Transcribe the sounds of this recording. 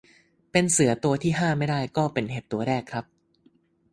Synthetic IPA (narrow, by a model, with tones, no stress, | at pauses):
pe˧nsɯ˨˩˦ɐt̪u˧ɐt̪ʰiː˥˩ɦaː˥˩ma˥˩jda˥˩jkɔː˥˩pe˧nɦe˨˩p̪̚t̪u˧ɐɾɛː˥˩kʰɾa˦˥p̚